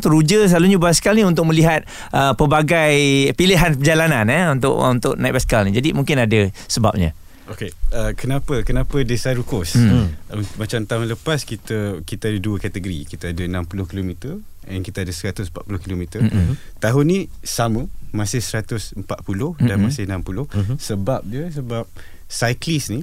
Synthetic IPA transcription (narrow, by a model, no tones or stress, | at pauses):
t̪əɾud͡ʒəs̬əlaluɲabaskalniunt̪̬ʊkʔ̚mə̃liɦat̪̚ | ʔəpəbaɡajpiliɦanpəd͡ʒalananəunt̪ʊ̰ʔunt̪ʊ̰ʔnajt̪̚baskalnid͡ʒadimũŋkɪnadəsəba̰p̚ɲa̰ | okeəkənapəkənapədesaɾukɔsumat͡ʃamt̪aɦʊnləpaskit̪əkit̪əadəduəkat̪əɡəɾḭkit̪əadənampulʊhkilomĩt̪ər | ɛnkit̪əadəsəɾat̪ʊsəmpat̪̚pulʊhkilomĩt̪ət̪aɦʊnːisaməmasɪhsəɾat̪ʊsəmpat̪̚pulʊhdanmasɪhnampulʊhsəbap̚d͡ʒiəs̬əbap̚ | sajklisni